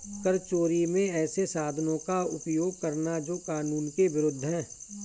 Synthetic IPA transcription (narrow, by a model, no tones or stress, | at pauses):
kəɾt͡ʃoːɾimẽɛːsesaːd̪ʱnõkaʊpjoːɡ̚kəɾnad͡ʒoːkaːnuːnkeʋɪɾʊd̪ʱːɦɛ̃ː